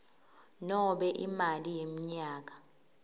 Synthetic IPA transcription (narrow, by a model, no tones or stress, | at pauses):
nɔɓɛʔimalijem̩ɲaːk̬a